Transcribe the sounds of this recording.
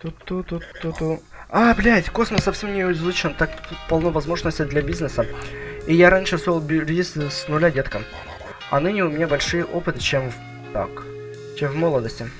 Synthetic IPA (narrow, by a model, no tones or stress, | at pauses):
t̪ut̪ːut̪uut̪uablʲæt̪ʲko̞sməsːɐfsʲe̞mnʲɪʊzlˠɨt͡ɕɪnt̪ak̚t̪ut̪pɐlˠnovɐzmo̞ʐnəsʲtʲɪd̪lʲabʲiznɨsəijaɾanʲʂɨsolˠbʲɾʲist̪snʊlʲadʲet̪kə | ɐ̰nɨnʲɪʊmʲɪnʲabɐlʲʂɨjəʔo̞pɨt̪ɨt͡ɕemv | t̪a̰k | t͡ɕemvmolˠəd̪əsʲtʲɪ